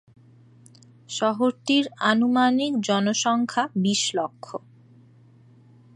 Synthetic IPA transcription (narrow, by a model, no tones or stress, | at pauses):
ʃɔɦoɾt̪iɾanumanikd͡ʑɔnoʃɔŋkʰabiʃlokʰːo